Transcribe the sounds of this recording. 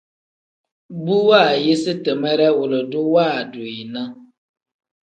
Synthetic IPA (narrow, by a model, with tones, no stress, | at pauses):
bu˦wa˦˨je˦sɨ˦tə˨mɛ˦ɾɛ˦wʊ˨lɨ˨dʊ˦wa˦˨dʊ˨i˨na˦